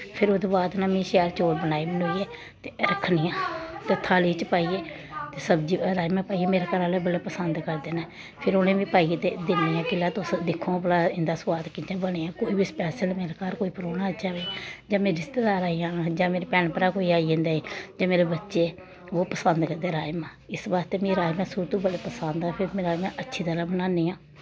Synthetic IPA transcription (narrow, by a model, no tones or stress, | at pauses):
pʰɪɾʊd̪baːd̪nãːmĩːʃɛːɾt͡ʃoːɾbənaːiːmənuːieː | t̪eːɾəkʰniːjãːt̪ət̪ʰːaːliːt͡ʃpaːiːeː | t̪eːsəbd͡ʒiːɾaːimɛ̃ːpaːiːeːmeːɾeːkəɾãːleːbəleːpəsənd̪kəɾd̪eːnɛ̃ː | pʰɪɾʊnẽːʋĩːpaːiːt̪eːd̪ɪnijãːkɪlaːt̪ʊsd̪ɪkʰːõːplaːɪ̃nd̪aːsʊaːt̪kiːt̪ãːbəɽ̃eːãːkoːiːbiːspɛːʃəlmeːɾeːkaːɾkoːiːpəɾoːnãːt͡ʃaːʋeːd͡ʒãːmẽːɾɪst̪eːd̪aːɾaːijãːnad͡ʒãːmeːɾeːpɛːɳpəɾaːkoːiːaːiẽnd̪aːiːd͡ʒãːmeːɾeːbətːʃeː | oːpəsənd̪kəd̪eːɾaːɪmãːɪsbaːst̪eːmĩːɾaːmɛ̃ːsuːɾt̪ũːbəleːpəsənd̪aːpʰɪɾmeːɾaːmɛ̃ːʔətːʃʰiːt̪əɾaːbənãːniːãː